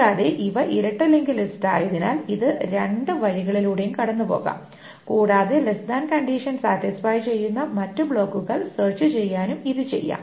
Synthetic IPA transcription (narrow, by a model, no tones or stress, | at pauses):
aːðeʔiʋɐʔiɾɐʈːɐlːeŋɡilista̰ːjɐðina̰ːliðɨɾeɳɖɨʋɐɻiɣɐɭiluːɽejumkɐɽɐnːupo̞̰ːɣa̰ːm | kuːɽaːðe̞lesd̪aːnkɐɳɖiːʂɐnsaːt̪isfaːjt͡ɕe̞jːunːɐmɐtːɨbɭo̞ːkːuɣɐɭseːrt͡ɕɨt͡ɕe̞jːaːnumiðɨt͡ɕe̞̰jːa̰ːm